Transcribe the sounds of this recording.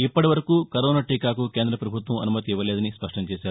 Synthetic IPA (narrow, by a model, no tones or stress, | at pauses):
ipːɐʈiʋɐɾɐkuːkɐɾɔːnaːʈikaːkuke̞ːnd̪ɾɐpɾɐbʱut̪ʋɐmɐ̰numɐt̪iiʋːɐlɛːd̪ɐnispɐʂʈɐɲt͡ʃɛːʃaːɾu